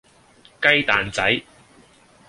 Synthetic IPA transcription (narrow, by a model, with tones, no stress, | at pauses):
kɐ˥jt̪aː˨nt͡sɐ˨˥j